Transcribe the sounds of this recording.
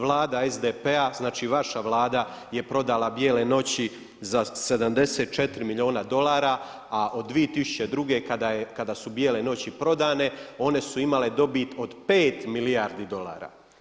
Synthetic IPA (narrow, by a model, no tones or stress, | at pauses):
ʋlˠaːd̪aezd̪epeaznaːt͡ʃiːʋaʃaʋlˠaːd̪aje̞pɾo̞d̪alabje̞ːle̞no̞t͡ɕi | zase̞d̪amd̪e̞seːt̪̚t͡ʃe̞t̪ɾimilʎʲio̞ːnad̪o̞laːɾa | aʔo̞d̪̚ːʋijet̪isu̥t͡ɕe̞d̪ɾuɡe̞kad̪ajekad̪asubje̞ːle̞no̞t͡ɕipɾo̞d̪aːne̞o̞ne̞suimale̞d̪o̞bit̪o̞d̪pe̞ːt̪milijaɾd̪id̪o̞lˠa̰ːɾa̰